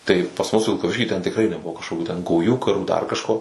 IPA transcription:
tɐɪ pɐs mʊs ʋʲɪlˠkɐˈʋʲɪʃʲkʲiː tʲɛn tʲɪkˈrɐɪ nʲɛˈbʊʋoː kɐʃkoːkʲuː tʲɛn ɡɐʊˈjuː kɐˈruː dɐr kɐʃˈkoː

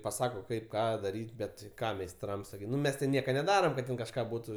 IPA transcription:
pɐˈsɑːkoː ˈkɐɪp ˈkɑː dɐˈrʲiːtʲ ˈbʲɛt tʲɪ ˈkɑː mʲɛɪsˈtrɐms ˈnʊ ˈmʲɛs tʲɪ ˈnʲiɛkɐ nʲɛˈdɑːrɐm kɐt ˈtʲɛn kɐʃˈkɑː ˈbuːtʊ

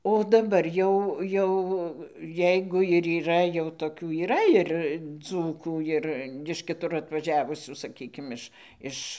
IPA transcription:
oː dɐˈbɐr ˈjɛʊ ˈjɛʊ ˈjɛɪɡʊ ɪr iːˈrɐ jɛʊ toːˈkʲuː iːˈrɐ ɪr ˈd͡zuːkuː ˈɪr ɪʃ kʲɪˈtʊr ɐtʋɐˈʒʲæːʋʊsʲuː sɐˈkʲiːkʲɪm ˈɪʃ ˈɪʃ

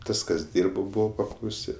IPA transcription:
ˈtɐs kɐs ˈdʲiːrboː ˈbuːʋoː pɐklˠɐʊˈsʲɪ

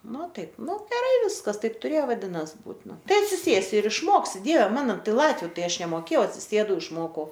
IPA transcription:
ˈnʊ ˈtɐɪp ˈnʊ ɡʲɛˈrɐɪ ˈʋʲɪskɐs ˈtɐɪp tʊˈrʲeːjoː ʋɐˈdʲɪnɐs ˈbuːt ˈnʊ ˈtɐɪ ɐtʲsʲɪˈsʲeːsʲɪ ɪr ɪʃˈmoːksʲɪ ˈdʲiɛʋʲɛ ˈmɑːnoː ˈtɐɪ ˈlˠɑːtʲʋʲʊ ˈtɐɪ ˈɐʃ nʲɛmoːˈkʲeːjɛʊ ɐtʲsʲɪˈsʲeːdɐʊ ɪʃˈmoːkɐʊ

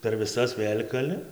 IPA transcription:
pʲɛr ʋʲɪˈsɐs ˈʋʲeːlʲ kɐˈlʲɪ

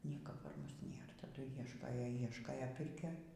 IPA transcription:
ˈnʲiɛkɐ pɐr ˈmʊs ˈnʲeːr tɐˈdʊ ˈiɛʃkoːjoː ˈiɛʃkoːjoː ˈpʲɪrʲkʲoːj

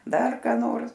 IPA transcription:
ˈdɐr ˈkɑː noːrs

